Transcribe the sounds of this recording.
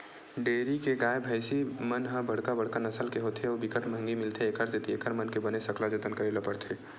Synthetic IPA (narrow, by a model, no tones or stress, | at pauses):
ɖeːɾikeɡaːebʱəɪsimənɦə̃bəɽ̤kabəɽ̤kanəsəlkeɦot̪ʰeoːbɪkəʈmə̃ŋɡimɪlt̪ʰeeːkəɾd͡ʒet̪iekəɾmənkebənesəklad͡ʒet̪ənkəɾelopəɾt̪ʰe